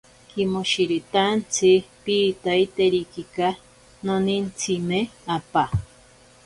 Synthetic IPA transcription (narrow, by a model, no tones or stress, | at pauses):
kimoʃiɾit̪ant͡sʰipiːt̪ait̪eɾikika | nonint͡sʰimeapa